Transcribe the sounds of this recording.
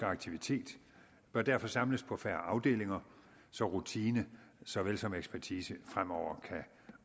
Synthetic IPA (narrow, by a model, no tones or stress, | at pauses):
ɑ̈ɡ̥̚t͡sʰiʋit͡sʰe̝̰ːd̥ | b̥ɶɐd̥æɐfɒ̽sɑ̈mləspʰɒ̽fæːɐɑ̈ʊd̥e̝̰ːle̝ŋɐ | sɒ̽ʁut͡sʰiːnəsɒ̽ʋelsɒ̽meɡ̥spʰæɐt͡sʰiːsəfʁam̰ɒʊ̰ɐkʰæ